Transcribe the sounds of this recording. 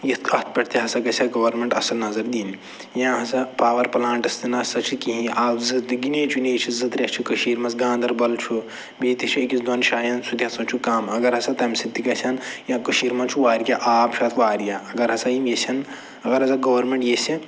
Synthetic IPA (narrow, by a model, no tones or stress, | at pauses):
jit̪ɐt̪̚ʰpɐʈʰt̪iɦɐsɐkɐsʲɐɡɐʋɐɾmeɳʈɐsɐlnɐzɐɾd̪iːn | jãːɦɐsɐpaːʋɐɾpɐlaːɳʈɐst̪ɨnɐsɐt͡ʃʰikĩɦĩaːbzɨt̪ɡineːt͡ʃʰuneːt͡ʃʰizɨt̪ɾʲɐt͡ʃʰikɐʃiːɾmɐsɡãːnd̪ɐɾbɐlt͡ʃʰu | beːt̪it͡ʃʰiekʲisd̪ɐnʃaːjɐnsut̪iɦɐsɐ̃t͡ʃʰukaːmɐɡɐɾɦɐsɐt̪ɐmsit̪ːikɐsʰʲɐnjãkɐʃiːɾmɐnt͡ʃʰuʋaːɾʲkʲaʔaːpt͡ʃʰaːt̪ʰʋaːɾkʲaɐɡɐɾɦɐsɐjimjesʲʰɐn | ɐɡɐɾɦɐsɐɡɐʋɐɾmeɳʈjesi